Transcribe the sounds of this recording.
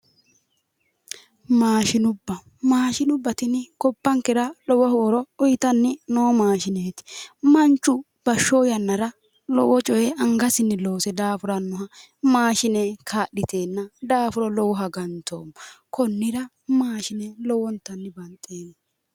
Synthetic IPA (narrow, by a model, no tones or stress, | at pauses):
maːʃɪnʊbːɐ | maːʃɪnʊbːɐt̪ɪnɪkɔbːɐŋkɛɾɐlɔwɔhoːɾɔɔjt̪ɐnːɪnoːmaːʃɪneːt̪ɪ̥mɐnt͡ʃʼːʊ | b̥ɐʃːoːjɐnːɐɾɐ | lɔ̰wɔt͡ʃʼɔjɛɐŋɡɐsɪnːɪloːsɛd̪aːfʊɾɐnːʊɦɐ | maːʃɪnekʰaːɗɪt̪ʰe̞ːnːɐd̪aːfʊɾɔlɔwɔɦɐɡɐnt̪ʰo̰ːmkɔnːɪɾɐ | maːʃɪnɛlɔwɔnt̪ːɐnːɪbɐnt̪ʼːeːnː